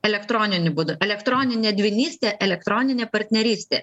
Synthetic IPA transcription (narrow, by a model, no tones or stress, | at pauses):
ɛlʲɛkt̪ɾɔnʲɪnʲɪbud̪ʊʔɛlʲɛkt̪ɾɔnʲɪnʲɛd̪ʲʋʲɪnʲiːsʲt̪ʲɛʔɛlʲɛkt̪ɾɔnʲɪnʲɛpɐɾʲt̪ʲnʲɛɾʲiːsʲt̪ʲɛ